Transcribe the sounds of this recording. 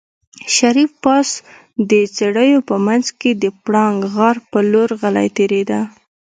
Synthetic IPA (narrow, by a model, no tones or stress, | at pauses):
ʃaɾifpɑs | d̪ət͡seɽəjopəmanzked̪əpɽɑŋɡɣaɾpəloɾɣala̰jt̪eɾed̪a